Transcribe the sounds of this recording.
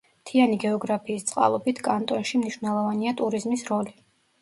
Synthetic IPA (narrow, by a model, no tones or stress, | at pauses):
t̪ʰianiɡɛɔɡɾapʰiːst̪sʼqʼa̰lˠɔbit̪ʰkʼant̪ʼɔnʃimniʃvnɛlˠɔvaniat̪ʼuɾizmisɾɔli